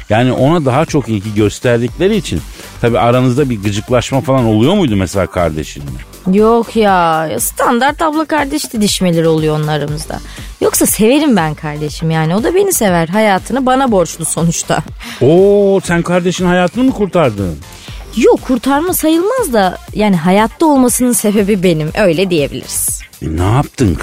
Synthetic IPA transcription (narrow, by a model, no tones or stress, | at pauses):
jaːniʔo̞nad̪aɦat͡ʃʰo̞kilʲɟiɟøst̪ʰæɾlʲiclʲe̞ɾiːt͡ʃʰḭn | t̪ʰabiːaɾanɯzd̪abiɾɡɯd͡ʒɯklˠaʃmafalˠano̞lˠujo̞mujd̪umese̞lʲa̰ːkʰa̰ɾd̪e̞̰ʃḭnːɪ̰ | jokʰjaja̰st̪ʰand̪aɾt̪ablˠakʰaɾd̪ɛʃd̪id̪iʃme̞lʲiɾio̞lˠujoonaɾɯmɯzd̪a̰jo̞ksase̞ve̞ɾimbænkʰaɾd̪e̞ʃimjaːnio̞d̪abe̞nise̞væɾɦajaːt̪ʰɯnɯbanabo̞ɾt͡ʃlˠuso̞nut͡ʃt̪ʰa̰osænkʰaɾd̪e̞ʃinhajaːt̪ʰɯnɯmɯkuɾt̪ʰaɾd̪ɯːn | jokʰːuɾt̪ʰaɾmasajɯlˠmazd̪ajaːniɦajat̪ʰlˠao̞lˠmasɯnɯnse̞be̞bibe̞nimʔø̞jlʲɛd̪ije̞bilʲḭɾiz̥naap̚t̪ʰɯn